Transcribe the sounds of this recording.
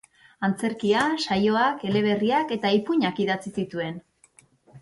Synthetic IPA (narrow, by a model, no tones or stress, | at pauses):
ant͡se̞ɾkiaʃajo̞ake̞le̞β̞e̞riake̞t̪aipuɲakiðat͡sisit̪ue̞n